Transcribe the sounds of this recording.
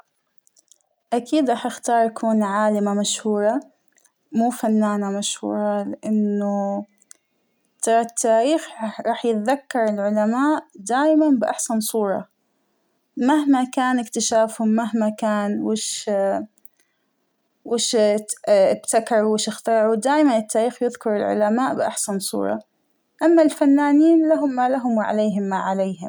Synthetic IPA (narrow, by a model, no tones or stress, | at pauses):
ʔakʰiːd̪ɾˤɑːħʔɪxt̪ɑːɾˤʔakʰuːnʕaːlɪmamaʃhuːɾˤɑ | muːfanːaːnamaʃhṵːɾˤɑlɪʔanːʊ | t̪ɑɾˤɑt̪ːaːɾiːxɾˤɑːħjɪt̪aðakːɑɾˤɪlʕʊlamaːʔd̪aːʔmanbɪʔa̰ħsansˤuːɾˤɑ̰ | maɦmakaːnɪkt̪ɪʃaːfhʊmːaɦmakaːnwɪʃ | wɪʃ | ʔɪbt̪akɑɾˤuwɪʃʔɪxt̪ɑɾˤʕud̪aːjmanɪt̪ːaːɾiːxjɪðkɑɾˤɪlʕʊ̰lamaːʔbɪʔa̰ħsansˤṵːɾˤɑ̰ | ʔamːalfanːaːniːnlaɦʊmːaːlaɦʊmwɪʕa̰leːɦɪmːaʕalejɦɪm